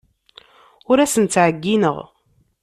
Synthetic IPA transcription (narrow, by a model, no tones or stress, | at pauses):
ʊɾæsənt̪t͡sːʕəɡːinə̰ʁ